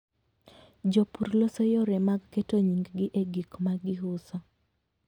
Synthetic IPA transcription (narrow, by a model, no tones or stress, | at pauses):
d͡ʒopuɾlosɔjɔɾɛmaɡketoɲiŋɡɡɪʔeɡikmaɡɪɦʊsɔ